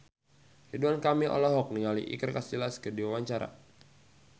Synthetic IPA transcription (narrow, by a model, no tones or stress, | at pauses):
riduankamiʔɔ̰lɔɦɔk̚niŋalḭʔḭkərkasilaskədiwawaɲt͡ʃaɾa̰